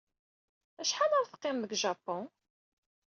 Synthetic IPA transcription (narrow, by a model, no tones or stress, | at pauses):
æʃħanəɾθə̥qːɪmðəɡʒɑpːʊn